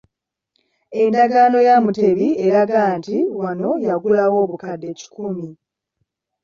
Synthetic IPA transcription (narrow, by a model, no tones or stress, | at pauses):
e̞ndaɡaːno̞jamute̞βie̞ɾaɡaːntiwano̞jaɡulawo̞ːβukadːe̞ːci̥kʰumi